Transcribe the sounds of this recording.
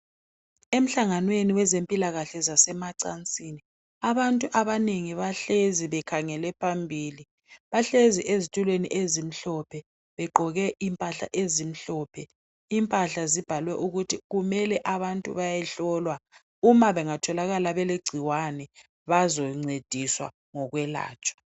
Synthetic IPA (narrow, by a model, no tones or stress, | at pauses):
em̩ɬaŋanweniwɛzempʼilaɣaɬɛzasɛmaǀant͡sʼiːni | aβantʼuʔaβaneŋiβaɬeziβɛkʰaŋɛlɛpʰambʱiːli | βaɬeziʔezitʼulwenḭʔezim̩ɬɔpʰɛ | βɛɡ͡ǃʱɔɣɛʔimpʼaɬa̰ʔezim̩ɬɔpʰɛ | impʼaɬazib̥ʱalwɛʔuɣutʰiɣumɛlɛʔaβantʼṵβajɛɬɔlwa | umaβɛŋatʰɔlaɣalaβɛleɡ͡ǀʱiwanɛ | βazɔŋ͡ǀed̥ʱiswa̰ | ŋɔɣwɛla̰ːt͡ʃʼwḁ